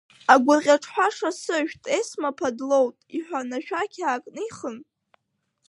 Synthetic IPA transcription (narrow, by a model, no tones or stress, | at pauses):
aɡʷʊʁʲaʈ͡ʂʰħʷaʂasɨʒᶣtʼesmapʰadlo̞wtʼiħʷᶣanaʃᶣakʲʰaːkʼnɨiχən